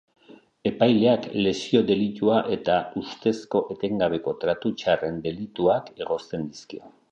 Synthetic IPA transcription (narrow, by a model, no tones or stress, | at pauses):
e̞pajle̞akle̞sio̞d̪e̞lit̪uaʔe̞t̪aust̪e̞sko̞ʔe̞t̪e̞ŋɡaβe̞ko̞t̪ɾat̪ut͡ʃare̞nd̪e̞lit̪uake̞ɣ̞o̞st̪e̞nd̪iskio̞̰